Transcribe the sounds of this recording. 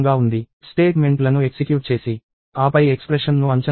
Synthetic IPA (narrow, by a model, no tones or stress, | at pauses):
ŋɡaːund̪i | sʈe̞ːʈme̞ɳʈlɐnueksikjuːʈ̚t͡ʃe̞ːsi | aːpɐjekspɾeʂɐnnuɐɲt͡ʃɐ